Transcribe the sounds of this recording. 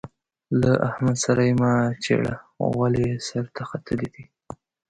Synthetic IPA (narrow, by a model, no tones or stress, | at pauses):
laʔahmad̪saɾajemat͡ʃḛɽa̰walesaɾt̪ʰaxat̪ʰəlid̪i